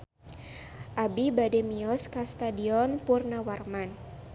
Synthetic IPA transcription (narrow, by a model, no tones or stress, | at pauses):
ʔabibadɛmiɔskast̪adiɔnpurnawarman